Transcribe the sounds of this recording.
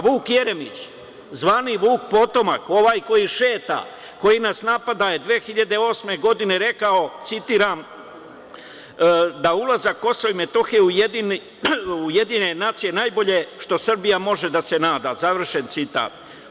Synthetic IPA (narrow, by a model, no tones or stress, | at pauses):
ʋuːkje̞ɾe̞mḭt͡ʃ | zʋaːniʋuːk̚po̞t̪o̞ma̰ko̞ʋaːjko̞jiʃe̞ːt̪a̰ | ko̞jinasnapad̪aje̞d̪ʋeːxiʎad̪e̞o̞ːsme̞ɡo̞d̪ine̞ɾe̞kao̞t̪sit̪iːɾam | d̪aulˠazakːo̞soime̞t̪o̞xiujed̪in | ujed̪ine̞naːt̪sije̞naːjbo̞ʎe̞ʃt̪o̞sr̩bijamo̞ʒe̞d̪ase̞naːd̪azaʋr̩ʃe̞nt̪sit̪a̰ːt̪̚